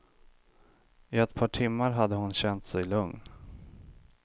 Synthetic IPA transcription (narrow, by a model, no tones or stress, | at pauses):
ɪɛt̪pʰɑːʈʰɪmːaɾɦad̪ːəhʊnɕɛnt̪sɛjlɵŋn